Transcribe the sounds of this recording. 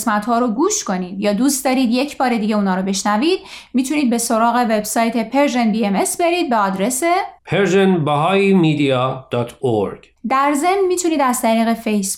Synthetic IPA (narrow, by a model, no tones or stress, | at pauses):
smæt̪hɒːɾoɡuːʃko̞niːd̪jɒːd̪uːst̪d̪ɒːɾiːd̪je̞cʰbɒːɾe̞d̪iːɟeuːnɒːɾobe̞ʃnæviːd̪̥miːt̪ʰuniːd̪̚be̞so̞ɾɒːɣe̞ve̞bsɒːjt̪ʰe̞pʰe̞ɾʒenbieme̞sbe̞ɾiːd̪̚beɒːd̪ɾe̞sepʰeɾʒenbæɦɒːimiːd̪ijɒːd̪̥ɒːt̪ʰoɾɡ̥ | d̪æɾze̞mnmiːt̪ʰuniːd̪æzt̪ʰæɾiːɣe̞fejs